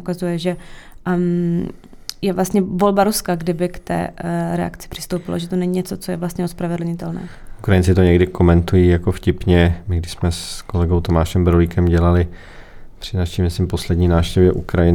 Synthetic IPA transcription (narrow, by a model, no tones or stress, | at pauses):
ukazujɛʒɛ | jɛvlast̪ɲɛvo̞lbaɾuskaɡdɪbɪkt̪ɛ̰ːɾɛa̰kt͡sɪ̥pr̥ɪ̥st̪owpɪlo̰ʒɛt̪onɛɲiɲɛt͡so̞t͡sojɛvlast̪ɲɛospɾavɛdl̩ɲɪt̪ɛlnɛ̰ː | ʔukɾajɪnt͡ssɪt̪oɲɛɡdɪkʰo̞mɛnt̪ujijako̞fcɪpɲɛmɪɡdɪʃsmɛskolɛɡowt̪omaːʃɛmbɾolikɛmɟɛlalɪ | pr̥ɪnaʃimɪsɪmpo̞slɛdɲiːnaːfʃcɛvjɛʔukɾajɪ